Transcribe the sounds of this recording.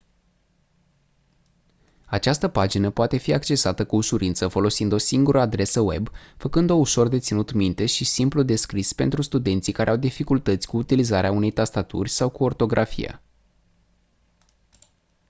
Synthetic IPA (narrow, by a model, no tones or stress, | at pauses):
at͡ʃast̪əpad͡ʒinəpoat̪e̞fiakt͡ʃe̞sat̪əkuːʃuɾint̪səfo̞lo̞sind̪o̞siŋɡuɾʔəad̪ɾe̞səwe̞bfəkɨnd̪o̞uʃo̞rd̪e̞t̪sinut̪mint̪e̞ʃisimplud̪e̞skɾispe̞̰nt̪ɾust̪ud̪e̞nt̪sikaɾeawd̪ifikult̪ət̪sʲkuːt̪ilizaɾeaune̞jt̪ast̪at̪ṵrʲsawkuo̞rt̪o̞ɡɾʔafḭja̰